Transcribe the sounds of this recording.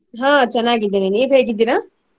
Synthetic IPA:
ɦãːt͡ʃɐnːaːɡid̪eneniːʋɦeːɡid̪iːɾaː

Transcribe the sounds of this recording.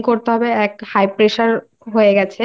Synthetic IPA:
koɾt̪eɦɔbeɛkhajpɾeʃaɾ | ɦoeɡɛt͡ɕʰe

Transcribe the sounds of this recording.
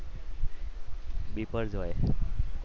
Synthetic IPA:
bipəɾd͡zoj

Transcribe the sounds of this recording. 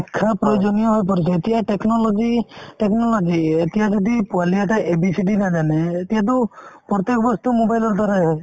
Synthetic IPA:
ɛkʰːapɾɔjod͡ʒɔnijɔɦojp̬ɔɾit͡ʃʰet̪ijaʈeknɔlɔd͡ʒiʈeknɔlɔd͡ʒiet̪ijad͡ʒɔd̪ipualijaʈaʔebisiɖinad͡ʒaneːt̪ijad̪ɔpɾɔt̪ekɔbɔst̪umobajlɔɾd̪ʱaɾa

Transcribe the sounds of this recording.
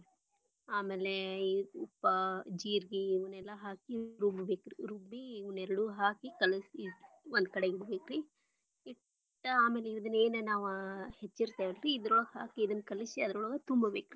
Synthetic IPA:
aːmeleupːɐd͡ʒiːɾɡiʋunɛlːɐɦaːkiɾubbeːkɾḭɾubːiːʋunɛɾɐɽuɦaːkikɐlɐsi | ond̪̚kɐɽeɡiɽubeːkɾi | i | ʈːɐaːmeːleiʋɐd̪ɐnːeːnenaːʋuhet͡ʃːiɾt̪ajʋɐlɾiːd̪ɾuɭɐɡhaːkiːd̪ɐnːkɐlisiɐd̪ɐɾuɭɐɡɐt̪umbɐbeːkɾi

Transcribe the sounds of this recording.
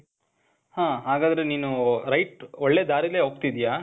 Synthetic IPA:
hãːɦaːɡaːd̪ɐɾeniːnuɾɐjʈɔɭːeːd̪aːɾileːɦoːɡ̚t̪id̪ijaː

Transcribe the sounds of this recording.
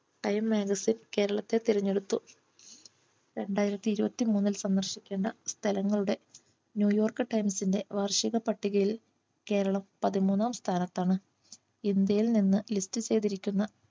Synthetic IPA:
ʈɐjmːeːɡɐsinke̞ːɾɐɭɐt̪ːe̞t̪iɾiɲːe̞ɽut̪ːu | ɾe̞ɳɖaːjiɾɐt̪ːiiɾubɐt̪ːimuːnːilsɐnd̪ɐrɕikʲːeːɳɖɐst̪ʰɐlɐŋːɐɭuɽe̞ | njuːjo̞ːrkɨʈɐjmsinde̞ʋɐrʂiɣɐpɐʈːiɣɐjil | ke̞ːɾɐɭɐmpɐðimuːnːaːmst̪ʰaːnɐt̪ːaːɳɨ | ind̪jɐjilninːɨlistɨt͡ɕe̞jðiɾikʲːunːɐ

